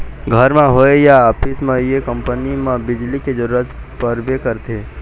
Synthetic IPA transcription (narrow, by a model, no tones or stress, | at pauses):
ɡʱəɾmẽɦoejaːpɪsmẽjekə̃mpənimẽbɪd͡ʒliked͡ʒəɾuɾət̪ | pəɾbekəɾt̪ʰe